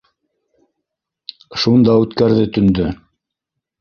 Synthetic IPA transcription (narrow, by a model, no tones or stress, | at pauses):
ʃund̪ɑʉt̪kæɾðɘt̪ɵ̆nd̪ɵ